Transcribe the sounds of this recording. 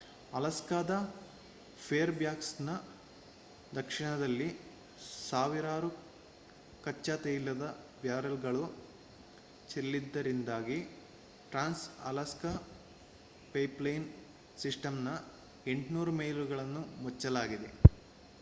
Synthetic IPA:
ɐlɐskaːd̪ɐ | pʰeːɾbjaːksnɐ | d̪ɐkʂiɳɐd̪ɐlːi | saːʋiɾaːɾu | kɐt͡ʃːaːt̪ejilːɐd̪ɐ | bjaːɾɐlɡɐɭu | t͡ʃelːid̪ːɐɾind̪aːɡi | ʈɾaːnsɐlɐskɐ | pɐjplɐjn | siʂʈɐmnɐ | e̞ɳʈnuːɾumeːjluɡɐɭɐnːumɔt͡ʃːɐlaːɡid̪e̞

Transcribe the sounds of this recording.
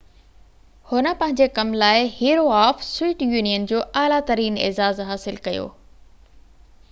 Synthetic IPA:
hʊnə̆pɐ̃ɦɪ̃ɲd͡ʑekɐmlaːɪhiːɾoaːfswiːʈjuːnijənd͡ʑoːʔaːlat̪ɐɾiːnḛːzaːzɦaːsɪlkɐjo̰ː

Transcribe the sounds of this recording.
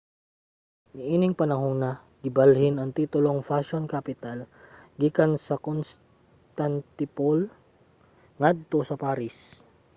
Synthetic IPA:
nɪʔiːnɪŋpɐnɐɦonɐ | ɡ̥ɪbɐlhɪnɐŋt̪iːt̪ʊlo̞ŋfaʃonkapɪt̪alɡiːkɐnsɐkons | t̪ant̪ɪpol | ŋad̪̚t̪osɐpaːɾɪs

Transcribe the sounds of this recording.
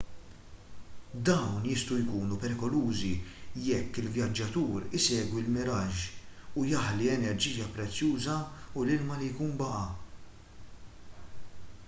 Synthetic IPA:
d̪ɐwnjɪst̪ujkuːnupɛɾɪkɔluːzijɛkːɪlvjɐd͡ʒːɐt̪uːɾɪsɛːɡwilmɪɾɐʃʊjɐħliɛnɛɾd͡ʒiːjɐpɾɛt͡sːjuːzɐʊlɪlmɐlijkuːnbɐʔɐ

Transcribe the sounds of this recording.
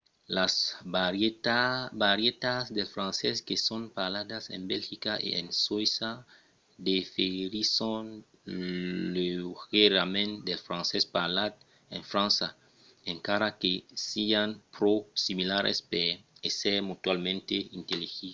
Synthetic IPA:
las | baɾjet̪asd̪elfɾãnseskesonpalad̪asḛnbelxikaʔḛḛnswisa | d̪efeɾison | lexeɾamẽnd̪elfɾãnsespalad̪ | ẽnfɾãnsa | ẽŋkaɾakesianpɾosimilaɾḛspeeseɾmut̪walmẽnt̪eint̪elixi

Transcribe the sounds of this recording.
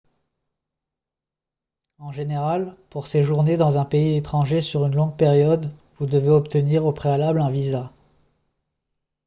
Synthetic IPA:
ɑ̃ʒeneʁalpuʁseʒuʁned̪ɑ̃zɛ̃peiet̪χɑ̃ʒesyʁynlɔ̃ɡ̚peʁjɔd̪vud̪əveɔpt̪əniʁopχealablɛ̃viza

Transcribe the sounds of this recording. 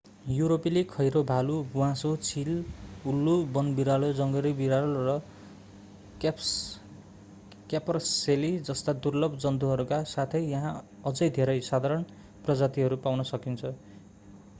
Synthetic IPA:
juɾopilikʰʌjɾobʱalubuwãsot͡sʰilulːubʌnbiɾalod͡zʌŋɡʌɾibiɾalrʌ | kapʌrselid͡zʌst̪ad̪urlʌbʱd͡zʌnt̪uɦʌɾukasat̪ʰʌjːʌɦã | ʌd͡zʌjd̪ʱeɾʌjsad̪ʱaɾʌn | prʌd͡zat̪iɦʌɾupawnʌsʌkint͡sʰʌ

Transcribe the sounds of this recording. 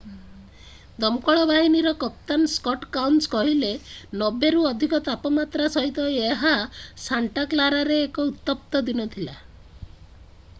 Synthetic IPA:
d̪ɔmkɔɭɔbaɦiniɾɔkɔp̚t̪anskɔʈkawnskɔɦilenɔbeɾuɔd̪ʱikɔt̪apɔmat̪ɾasɔɦit̪ɔeɦasaɳʈaklaɾaɾeːkɔut̪ːɔp̚t̪ɔd̪inɔt̪ʰila

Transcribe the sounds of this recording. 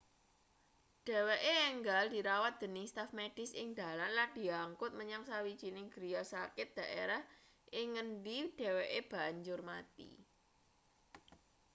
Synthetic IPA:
d̥e̤weʔeɛŋɡald̥i̤ɾawat̪̚d̪̥ə̤nɪst̪afmeɖ̥ɪ̤sɪŋd̪̥a̤lanland̪̥i̤aŋkʊt̪̚məɲaŋsawi̥d͡ʒ̥inɪŋɡ̥ɾiasakɪt̪̚d̥a̤ʔḛɾah | ʔɪŋːəndid̥e̤weʔeb̥a̤ɲd͡ʒʊrmat̪ḭ

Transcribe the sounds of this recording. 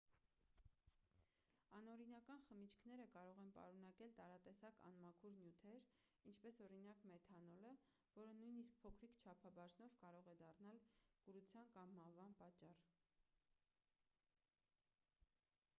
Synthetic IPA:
ɑnɔɾinɑkɑnχəmit͡ʃʰkʰnɛɾəkɑɾɔʁɛnpɑ̰ɾun̪ɑkɛlt̪ɑɾɑt̪ɛsɑkɑ̰nmɑkʰuɾnjut̪ʰɛɾ | int͡ʃʰpɛsɔɾin̪ɑkmɛt̪ʰɑnɔlə | vɔɾənujnisk̚pʰɔkʰɾikt͡ʃʰɑpʰɑbɑʒnɔvkɑɾɔʁɛd̪ɑrnɑlkəɾut͡sʰjɑnkɑmːɑhvɑnpɑt͡ʃːɑr

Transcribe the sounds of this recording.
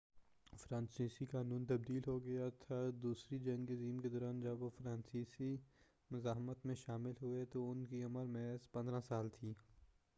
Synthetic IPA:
fɾãːnsiːsikaːnuːnt̪ɐb̚d̪iːlɦoɡɐjat̪ʰad̪uːsɾid͡ʒɐ̃ŋɡeziːmked̪ɔːɾaːnd͡ʒɐbʋofɾãːnsiːsi | mʊzaːɦmət̪mẽʃaːmɪlɦʊet̪oʊnkiɐməɾmɛɦzpɐ̃nd̪ɾãsaːlt̪ʰiː

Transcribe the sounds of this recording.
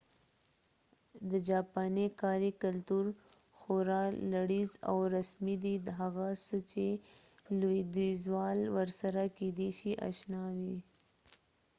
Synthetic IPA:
d̪əd͡ʒɑpɑnekɑɾikalt̪uɾ | xoɾɑlaɽiza̰wɾasmid̪id̪əɦaɣasət͡ʃe | loid̪izwɑlwəɾsaɾaked̪eʃiʔa̰ʃnɑwi

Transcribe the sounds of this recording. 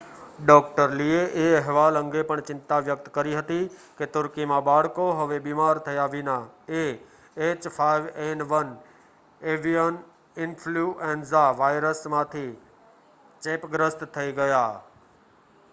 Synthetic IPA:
ɖɔːkʈəɾlieʔeɐɦʋaːlɐ̃ŋɡepɐɽ̃t͡ɕɪ̃nt̪aʋjək̚t̪kɐɾiɦɐt̪iket̪ʊɾkimãbaːɽ̤koɦɐʋebiːmaːɾt̪ʰɐjaʋinae | eːt͡ɕfʰaːɪʋeːnʋɐn | eːʋiən | ɪnfʰluːʔẽːnzaʋaːɪɾəsmãːt̪ʰi | t͡ɕeːpɡɾəst̪t̪ʰɐiɡɐjaː

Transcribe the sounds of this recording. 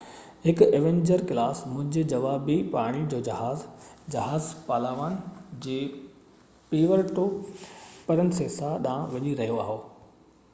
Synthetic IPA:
hɪkeːʋẽːɲd͡ʑəɾkɪlaːsmʊ̃ɦɪ̃ɲd͡ʑed͡ʑɐʋaːbipaːɽ̃id͡ʑoːd͡ʑɐɦaːzd͡ʑɐɦaːzpaːlaːʋaːnd͡ʑeː | piːʋəɾʈo | pɐɾənɪseːsaɗãʋɐɲiɾɐɦijoaːɦoː

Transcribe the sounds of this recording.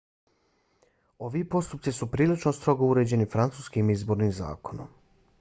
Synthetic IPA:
o̞ʋipo̞st̪up̚t̪sisupɾiːlit͡ʃnost̪ɾo̞ɡouɾe̞ːd͡ʑe̞nifɾant̪suːskimizbo̞ːɾniːmza̰ːko̞no̰m

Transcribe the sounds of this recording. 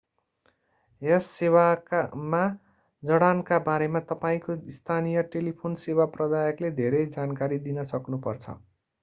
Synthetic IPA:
esːewama | d͡zʌɽankabaɾemat̪ʌpaĩkoist̪ʰanijʌʈelipʰonsewaprʌd̪ajʌkled̪ʱeɾʌjd͡zankaɾid̪inʌsʌknupʌrt͡sʰʌ̰

